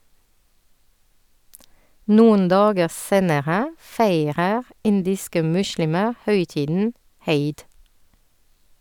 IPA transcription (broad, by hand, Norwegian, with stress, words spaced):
ˈnuːən ˈdɑːɡə ˈseːnəʁə ˈfeɪʁəʁ ˈɪndɪskə ˈmʉʃɭɪmə ˈhœʏˌtiːdn̩ ˈheɪd